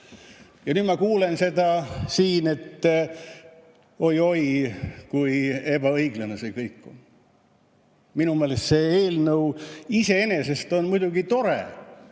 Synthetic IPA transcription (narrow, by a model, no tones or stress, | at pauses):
jɑnyːd̪mɑkuːle̞nse̞d̪ɑsiːne̞t̪ː | o̞jo̞jkuje̞b̥ɑɤiɡ̥lenesekɤjkːo̰n | minumeːlest̪se̞e̞ːlnɤwise̞e̞ne̞se̞st̪o̞nmujd̪uɡit̪o̞ɾe